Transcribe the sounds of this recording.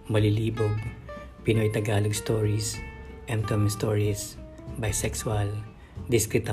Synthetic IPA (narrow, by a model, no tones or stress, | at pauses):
mɐliliːboɡ̚ | pɪnojt̪ɐɡaːloɡst̪oɹis | ʔɛ̃nt̪omɪŋst̪oɹis | bɐjsɛksʊal | d̪ɪskɾɪt̪ɐ